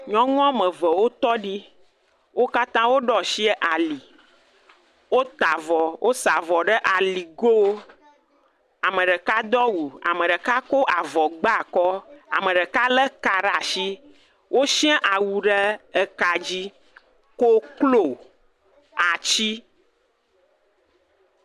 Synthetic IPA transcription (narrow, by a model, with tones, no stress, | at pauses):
ɲɔ̃˦ŋɔ̃˦mə̃˨və˨wo˦t̪ɔ˦ɖi˦ | wʔo˦ka˦t̪ã˦wo˦ɖɔ˦ʃi˦ɛ˦ʔa˨li˨ | wo˦t̪a˨vɔ˨wʔo˦sa˨vɔ˨ɖə˦ʔa˨li˨ɡo˦wo˦ | a˨mə̃˨ɖə˨ka˦d̪ɔ˦wu˨a̰˨mə̃˨ɖə˨ka˦ko˦ʔa˨vɔ˨ɡ͡ba˦˨kɔ˦a̰˨mə̃˨ɖə˨ka˦lə˦ka˨ɖa˨ʃi˦ | wʔo˦ʃĩ˦ɛ̃˦ʔa˨wu˨ɖə˦ə˨ka˨d͡ʑi˦ | ko˦klo˨ | a˨t͡ɕi˦